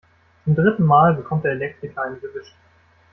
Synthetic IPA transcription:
t͡sʊmdʁɪtn̩maːlbəkʰɔmt̚d̥eɐelɛk̚tikʰaɪnəɡəvɪʃʊŋ

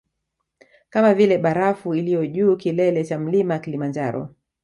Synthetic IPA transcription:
kamavilɛɓaɾafuilijɔʄuːkilɛlɛt͡ʃam̩limawakilimand͡ʒaɾɔ̰

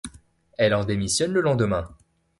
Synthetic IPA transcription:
ɛlɑ̃d̪emisjɔnləlɑ̃d̪əmɛ̃

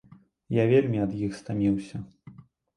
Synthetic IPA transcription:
javʲelʲmʲiɐd̪jixst̪amʲiwsʲɐ

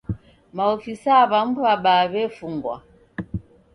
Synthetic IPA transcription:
maɔfisaβam̩abaβɛfuŋɡwa̰

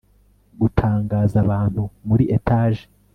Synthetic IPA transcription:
ɡutʰaːŋɡaːzaβaːn̥humuɾiʔetaːʒe

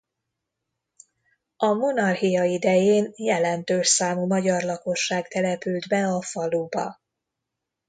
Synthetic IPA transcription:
ɒmo̞nɒrhijɒid̪ɛjeːnjɛlɛnt̪øːʃsaːmumɒɟɒrlɒko̞ʃːaːɡt̪ɛlɛpyld̪bɛɒfɒlubɒ̰

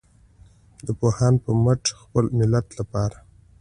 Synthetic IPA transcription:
d̪əpohɑnpəməʈ͡ʂxpəlmɪlat̪lapɑɾa

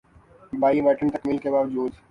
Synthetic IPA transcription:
baːiʋɛːʈənt̪ɐkmiːlkebaːʋd͡ʒuːd̪

